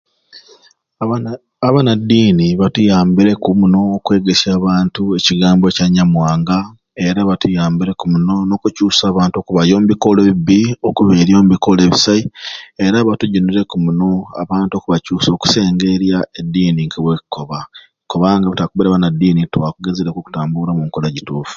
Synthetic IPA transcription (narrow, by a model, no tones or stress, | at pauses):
aβanadiːniβatujaːmbiɾe̞kumuno̞ːkwe̞ːɡesjaːβaːntueciɡaːmbocaɲamwaːŋɡa | e̞ɾaβatujaːmbiɾe̞kumuno̞no̞kucuːsaːβaːnto̞kuβajo̞ːmubiko̞leβiβiokuβeɾjo̞ːmuβiko̞le̞ːβisaieɾaβatuɟuniɾe̞kumuno̞a̰βaːntuo̞kuβacuːso̞ːku̥se̞ːŋɡe̞ɾjaedːiːniŋkeβwekukoβa | koβaŋɡaβatakuβeɾaβanadːiːnitwakuɡezeɾekoku̥taːmbuɾamuŋkolaɟituːfu̥